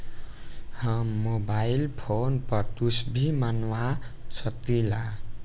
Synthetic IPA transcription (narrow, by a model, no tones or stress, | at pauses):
hamːobajlpʰonpʌɾt̪usbʱimanwasʌt̪ila